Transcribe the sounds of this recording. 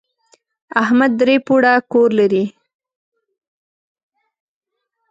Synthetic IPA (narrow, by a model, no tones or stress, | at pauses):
ahmad̪ːɾepuɽakoɾlaɾi